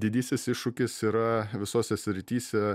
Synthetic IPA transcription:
d̪ʲɪd̪ʲiːsʲɪsɪʃʊkʲɪsiːɾɐʋʲɪsoːsʲɛsʲɾʲɪt̪ʲiːsʲɛ

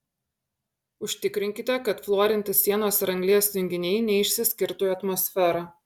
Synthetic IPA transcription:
ʊʃʲt̪ʲɪkɾʲɪŋʲkʲɪt̪ʲɛkɐt̪flˠoːɾʲɪnʲt̪ʲɪsːʲiɛnoːsɾɐŋʲɡlʲiɛsʲʊŋʲɡʲɪnʲɛɪnʲɛɪʃʲsʲɪsʲkʲɪɾt̪oːjɐt̪mɔːsʲfʲɛɾɑː

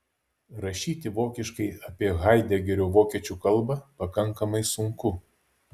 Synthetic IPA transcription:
ɾɐʃʲiːt̪ʲɪʋoːkʲɪʃkɐɪɐpʲiɛɣɐˑɪd̪ʲɛɡʲɛɾʲoːʋoːkʲiɛt͡ʃʲukɐlˠˑbɐpɐkɐŋˑkɐmɐɪsʊŋkʊ

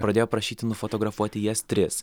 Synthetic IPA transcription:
pɾɐd̪ʲeːjoːpɾɐʃʲiːt̪ʲɪnʊfɔt̪ɔɡɾɐfuɔt̪ʲɪjɛst̪ʲɾʲɪs

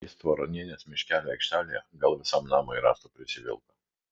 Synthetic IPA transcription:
ist̪ʋɐɾɔnʲenʲesmʲɪʃʲkʲæːlʲɛɛɪkʃʲt̪ʲæːlʲɪjɛɡɐlˠʋʲɪsɐmnɑːmoɪɾɑ̰ːst̪opʲɾʲɪsʲɪʋʲɪ̰lˠk̪ɐ

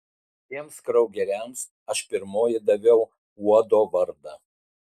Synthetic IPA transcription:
t̪ʲiɛmskɾɐʊɡʲɛɾʲæms | ɐʃpʲɪɾmoːjɪd̪ɐʋʲɛʊ | uɔd̪oːʋɐɾd̪ɑ

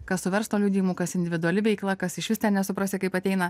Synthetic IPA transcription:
kɐssʊʋʲɛɾst̪oːlʲuːd̪ʲiːjmuːkɐsɪnʲd̪ʲɪʋʲɪd̪ʊɐlʲɪʋʲɛɪklˠɐkɐsɪʃʋʲɪst̪ʲɛnnʲɛsʊpɾɑːsʲɪkɐɪpɐt̪ʲɛɪnɐ

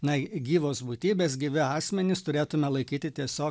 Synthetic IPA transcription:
nɐɡʲiːʋoːsbuːt̪ʲiːbʲeːsɡʲɪʋʲɪɑːsʲmʲɛnʲɪst̪ʊɾʲeːt̪ʊmʲɛlˠɐɪkʲiːt̪ʲɪt̪ʲiɛsʲoː

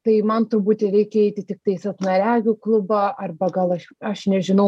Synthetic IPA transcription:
t̪ɐɪmɐnt̪ʊɾbuːt̪ʲɛɾʲɛɪkʲɛɛɪt̪ʲɪt̪ʲɪk̚t̪ɐɪsɐt̪nɐɾʲæːɡʲʊːklˠʊbɐʔɐrbɐɡɐlˠɐʃɐʃnʲɛʒʲɪnɐʊ

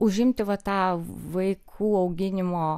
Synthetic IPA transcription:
ʊʒʲɪmʲt̪ʲɪʋɐt̪ɑːʋɐɪkʰuːɐʊɡʲɪnʲɪmoː

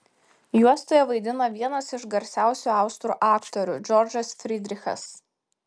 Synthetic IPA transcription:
juɔst̪oːjɛʋɐɪd̪ʲɪnɐʋʲiɛnɐsɪʒɡɐɾʲsʲæˑʊsʲuɑˑʊst̪ɾuːʔɑːkt̪ɔɾʲʊ̰d͡ʒʲɔɾʲd͡ʒɐsfʲɾʲɪd̪ʲɾʲɪxɐ̰s

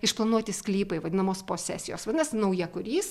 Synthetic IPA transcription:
ɪʃplˠɐnuɔt̪ʲɪsʲklʲiːpɐɪʋɐd̪ʲɪnɐmoːspoːsʲæ̰ːsʲɪjoːsʋɐd̪ʲɪnɐsnɐʊjɛkʊɾʲiːs

